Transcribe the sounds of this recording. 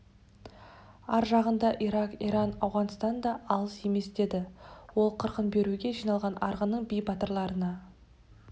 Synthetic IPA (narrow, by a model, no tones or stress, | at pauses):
ɑɾʒɑʁənd̪ɑʔiɾɑqiɾɑnɑwʁɑnst̪ɑnd̪ɑʔɑlˠəse̞me̞sd̪e̞d̪ɪwo̞lˠqʰəɾqənbe̞ɾuɡʲe̞ʒijnɑlˠʁɑnɑɾʁənəɴbijbɑt̪əɾlˠɑɾənɑ